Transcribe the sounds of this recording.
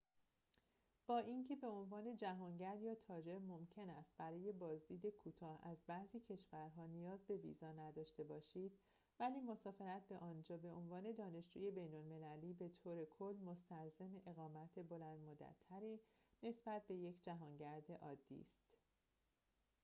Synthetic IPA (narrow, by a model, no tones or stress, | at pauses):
b̥ɒːʔiːncʰe̞be̞o̞nvɒːne̞d͡ʒæɦɒːŋɟæɾd̪jɒːt̪ʰɒːd͡ʒe̞mo̞mcʰe̞næst̪̚bæɾɒːje̞bɒːzd̪iːd̪e̞kʰuːt̪ʰɒːhæzbæziːcʰe̞ʃvæɾɦɒːnijɒːzbe̞vḭːzɒːnæd̪ɒːʃt̪e̞bɒːʃiːd̪̥ | væliːmo̞sɒːfe̞ɾæt̪̚ʰbe̞ʔɒːnd͡ʒɒːbe̞onvɒːne̞d̪ɒːne̞ʃd͡ʒṵːje̞be̞jnolme̞læliːbe̞t̪ʰoːɾe̞kʰolːmo̞st̪æɾzemeʔe̞ɣɒːmæt̪ʰe̞bo̞lænd̪mod̪æ̰t̪ʰːæɾiːne̞sb̥æt̪̚be̞je̞cʰd͡ʒæɦɒːŋɟæɾd̪e̞ʔɒːd̪ːḭːst̪